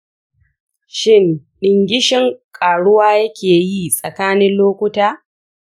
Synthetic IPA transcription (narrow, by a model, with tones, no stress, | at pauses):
ʃɪ˦nɗɪ˨ŋɡʲɪ˦ʃɪ˦ŋkʼaː˨ɽʊ˦waː˦jɐ˦kʲʰeː˨ji˦sʼɐ˨kaː˦nɪ˦nloː˦kʷʊ˦taː˦